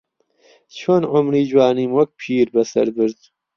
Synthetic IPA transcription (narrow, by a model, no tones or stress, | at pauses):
t͡ʃʰonʕʊmɾiːd͡ʒwaːniːmwok̚pʰiːɾbɐsɐ̰ɾb̪ɨɾz